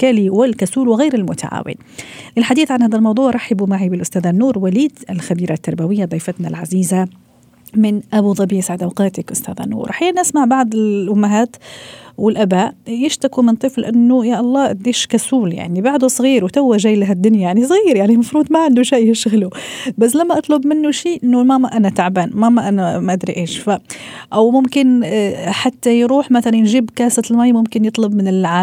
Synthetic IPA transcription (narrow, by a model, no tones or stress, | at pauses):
kaliwɪlkasuːlwɪɣeːɾɪlmʊt̪a̰ʕa̰ːwɪ̰n | lɪlħad̪iːθʕanhaːd̪almɑwd̪ˤuːʕɾˤɑħɪbumaʕibɪlʔʊst̪aːðanːuːɾwaliːd̪ɪlxabiːɾat̪ːɑɾˤbawɪjːad̪ˤijfɪt̪nalʕaziːza | mɪnʔabud̪ˤɑbiːsaʕd̪ʔawqɑːt̪ɪkʔʊst̪a̰ːða̰nːṵːɾˤʔħajiːʔnʔasmaʕbaʕd̪ˤɪlʔʊmːaɦaːt̪wɪlʔabaːʔjɪʃt̪akumɪnt̪ˤɨflʔanːʊjaʔɑlˤːɑːʔɪd̪iːʃkasuːlja̰ʕnibaʕd̪usˤɣiːɾwt̪awːaʒajːlaɦad̪ːʊnjajaʕnisˤɣiːɾjaʕnimɑfɾuːd̪ˤmaʕand̪uʃaːjɪʃɣlubas̬ːlamːaʔɑt̪ˤlʊbmɪnːʊʃiːʔɪnːʊmamaʔanat̪aʕbaːnmamaʔanamaʔad̪ɾiʔeːʃfaʔawmʊmkɪnħat̪ːajɾuːħmaθalannʒɪbkaːsat̪lmajmʊmkɪnjɨt̪ˤlʊbmɪnɪlʕaː